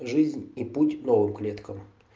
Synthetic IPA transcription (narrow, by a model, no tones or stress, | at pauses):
ʐɨzʲnʲiputʲnovɨmklʲet̪kəm